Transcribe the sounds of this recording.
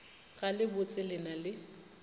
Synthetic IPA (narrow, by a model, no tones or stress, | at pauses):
ɣalɪbʊt͡sʼɪlɪnalɪ